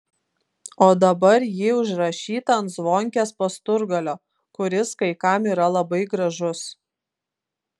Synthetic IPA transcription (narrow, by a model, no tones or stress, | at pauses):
oːd̪ɐbɐɾjiːʊʒɾɐʃʲiːt̪ɐɐnt̪zʋoːŋʲkʲespɐst̪ʊɾɡɐlʲoː | kʊɾʲɪskɐɪkɐmiːɾɐlˠɐbɐɪɡɾɐʒʊs